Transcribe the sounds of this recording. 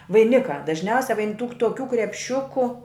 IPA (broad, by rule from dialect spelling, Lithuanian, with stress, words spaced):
ʋɐɪˈnʲɪkɑː dɐʒʲˈnʲɛʊsʲɛ ʋɐɪn tuːk toːˈkʲuː krʲɛpʲˈʃʲʊkʊ